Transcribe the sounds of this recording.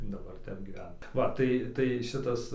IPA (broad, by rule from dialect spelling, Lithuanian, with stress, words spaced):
dɐˈbɐr ˈtʲɛp ɡʲiːˈʋʲɛn ˈʋɐ ˈtɐɪ ˈtɐɪ ˈʃʲɪtɐs